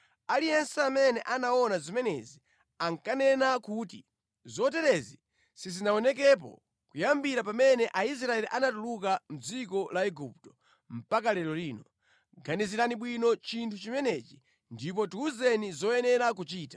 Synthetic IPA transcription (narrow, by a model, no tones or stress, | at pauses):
alijɛnsɛamɛnɛʔanaɔnazimɛnɛzi | aŋkanɛnakuːtḭ | zɔt̬ɛɾɛzi | sizinaɔnɛk̬ɛp̬ɔ̰ | kujambiɾapamɛnɛʔais̬ɾaɛliʔanatuluk̬am̩d͡zikɔlaɛɡup̚tɔ̥ | m̩pakalɛɾɔliːnɔ | ɡaniziɾaniɓwinɔt͡ʃintʰut͡ʃimɛnɛt͡ʃi | ndip̬ɔtuuzɛnizɔjɛnɛɾak̬ut͡ʃiːtḁ